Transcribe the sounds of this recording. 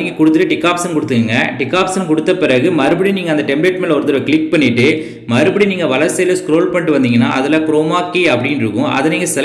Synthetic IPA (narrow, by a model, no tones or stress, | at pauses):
iːŋɡɐkʊɽɯt̪ːɯʈːɯʈɪkːaːpsɐnkʊɽɯt̪ːɯkɯŋɡɐʈɪkːaːpsɐnkʊɽɯt̪ːɐpɪɾɐɣɯmɐɾɯbɐɽiniːŋɡɐnd̪ɐʈɛmbleːʈmeːlɐɔɾɯt̪ːɐɾɐʋkɪɭɪk̚pɐɳːɪʈːɯ | mɐɾɯbɐɽiniːŋɡɐʋɐlɐɾsɐjlɐskɾoːlpɐɳʈːɯʋɐnd̪iːŋɡɐnːa̰ːʔɐðɪlɐkɾoːmaːkːiːɐpːɐɽɪnɪɾɯkːʊ̃ʔɐ̰ðɐniːŋɡɐsɛ